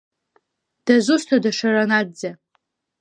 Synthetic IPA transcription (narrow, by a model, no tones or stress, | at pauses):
d̥azustʰadaʂaranad̚d͡za